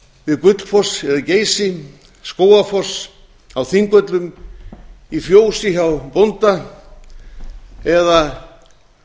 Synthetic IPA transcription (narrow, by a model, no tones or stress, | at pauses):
vɪðkʏt̪lfɔsɛðaceːjsɪ | skoːwafɔs | awθiŋkœt̪lʏm | ifjoːwsɪçawpont̪a | ɛða